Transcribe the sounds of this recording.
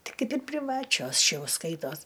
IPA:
ˈtɐɪ ˈkɐɪp ɪr pʲrʲɪˈʋɑːt͡ʃʲoːs ˈʃʲɛ ˈjɛʊ ˈskɐɪtoːs

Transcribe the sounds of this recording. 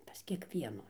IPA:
pɐs kʲiɛkˈʋʲiɛnuː

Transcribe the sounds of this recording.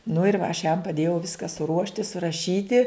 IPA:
nʊ ɪr ʋɐ ɐʃ jɛm pɐˈdʲeːjɛʊ ˈʋʲɪskɐ sʊˈruɔʃʲtʲɪ sʊrɐˈʃʲiːtʲɪ

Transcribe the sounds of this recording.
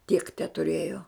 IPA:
tʲiɛk tʲɛtʊˈrʲeːjoː

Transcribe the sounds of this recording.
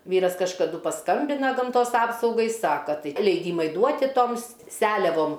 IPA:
ˈʋʲiːrɐs kɐʃkɐˈdʊ pɐˈskɐmʲbʲɪnɐ ɡɐmˈtoːs ˈɑːpsɐʊɡɐɪ ˈsɑːkɐ ˈtɐɪ lʲɛɪˈdʲiːmɐɪ ˈduɔtʲɪ ˈtoːms ˈsʲæːlʲɛʋoːm

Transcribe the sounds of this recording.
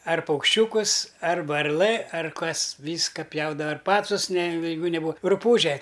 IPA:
ɐr pɐʊkʃʲˈt͡ʃʲuːkʊs ɐr ʋɐrˈlˠɘ ɐr ˈkɐs ˈʋʲiːskɐ ˈpʲjɛʊdɐʋɐ ɪr ˈpɑːt͡sʊs nʲɛ jɛɪˈɡʊ nʲɛˈbuːɐ rʊˈpuːʒʲɛ

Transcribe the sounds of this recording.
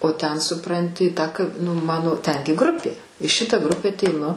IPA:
oː tʲɛn sʊˈprɐnʲtʲɪ ˈtɑː kɐ nʊ ˈmɑːnoː ˈtʲɛŋʲɡʲɪ ˈɡrʊpʲeː ɪ ˈʃʲɪtɐ ˈɡrʊpʲɛ ɐtʲɛɪˈnʊ

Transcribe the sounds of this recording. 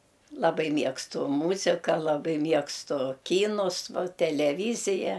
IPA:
lˠɐˈbɐɪ ˈmʲiɛkstʊ ˈmuːzʲɪkɐ lˠɐˈbɐɪ ˈmʲiɛkstʊ ˈkʲiːnʊs ˈʋɐ tʲɛlʲɛˈʋʲiːzʲɪjɛ

